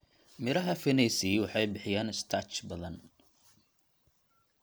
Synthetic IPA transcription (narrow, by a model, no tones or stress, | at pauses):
mɪɾɐɦɐfɪnɛsiwɑħɑjbɪħɪjaːnɪst̪ʰɑt͡ʃbɐðɐn